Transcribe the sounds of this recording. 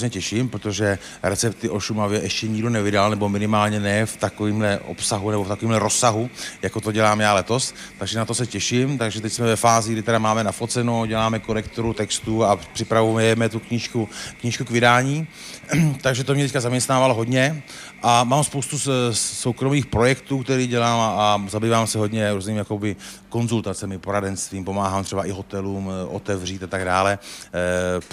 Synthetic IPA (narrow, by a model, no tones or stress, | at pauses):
zɲɛcɛʃimpɾot̪oʒɛ | ɾɛt͡sɛp̚t̪ɪʔoʃumavjɛʔɛʃcɛɲiɡdonɛvɪdalnɛbo̞mɪnɪmaːlɲɛnɛft̪akoviːmlɛʔo̞̰psaɦunɛboft̪ako̞viːmɦlɛɾo̞sːaɦujako̞t̪o̞ɟɛlaːmjaːlɛt̪o̞s | t̪aɡʒɛnat̪osɛcɛʃɪmt̪aɡʒɛt̪ɛcsmɛvɛfaːzɪɡdɪt̪ɛdamaːmɛnafo̞t͡sɛnoɟɛlaːmɛkoɾɛkt̪oɾut̪ɛkst̪uapr̥ɪpɾavujɛmɛt̪ukɲiːʃkukɲiːʃkukvɪdaːɲiː | t̪aɡʒɛt̪omɲɛt̪ɛckazamɲɛst̪naːvaloɦo̞dɲɛ | ʔamaːmspowst̪usowkɾo̞miːxpɾo̞jɛkt̪uːkt̪ɛɾiːɟɛlaːmazabiːvaːmsɛɦo̞dɲɛɾuːzniːmjako̞bɪko̞nzult̪at͡sɛmɪpoɾadɛnst̪viːmpo̞maːɦaːmt̪r̝̥ɛbaʔɪɦo̞t̪ɛluːmʔo̞̰t̪ɛvr̝iːt̪at̪aɡdaːlɛ